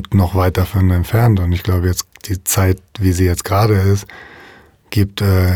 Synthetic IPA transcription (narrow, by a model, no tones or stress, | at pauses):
tnɔχv̥aɪt̚d̥afɔnɛntfɛɐntʊntɪçɡ̥laʊbəjɛt͡sd̥iːt͡saɪtv̥iːziːjɛt͡stɡ̥ʁaːɾəɪst | ɡ̥iːp̚tɛː